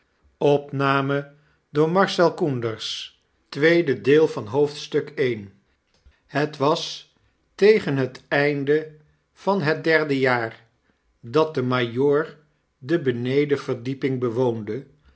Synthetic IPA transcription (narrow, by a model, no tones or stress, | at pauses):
ɔpnaːmə | dʊːɹmɑɹsɛlˠkundəɹs | tʋejdədeːlˠvɑnɦowftstɵkejn | hətʋɑs | tejχənɦətɛjndə | v̥ɑnɦət̚dɛɹdəjaːɹ | dɑt̚dəmajʊːɹ | dəbənejdəv̥əɹdipɪŋbəʋowndə